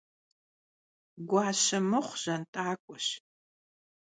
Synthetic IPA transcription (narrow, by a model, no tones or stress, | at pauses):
ɡʷɑːɕɐmɨχʷʒ̥ɐntʼaːkʷʼʊɕ